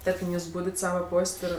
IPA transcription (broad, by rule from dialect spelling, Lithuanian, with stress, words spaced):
ˈtɐrʲkʲɪm ˈjuːs ˈbuːdʲɪt ˈsɑːʋɐ ˈpoːsʲtʲ ɪr